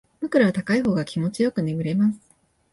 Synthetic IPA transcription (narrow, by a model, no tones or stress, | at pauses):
m̥ɯ̟kɯ̟ɾaβat̪akaiɦo̞ːɡakʲimo̞t͡ɕijo̞kɯ̟neɡɯ̟ɾe̞masɨ̥ɨ̥